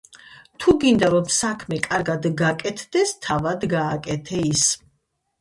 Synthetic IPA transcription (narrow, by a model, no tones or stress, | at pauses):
t̪ʰuɡind̪aɾɔmsakʰmɛkʼaɾɡad̪ɡakʼɛt̪ʰd̪ɛst̪ʰavad̪ɡaːkʼɛt̪ʰɛis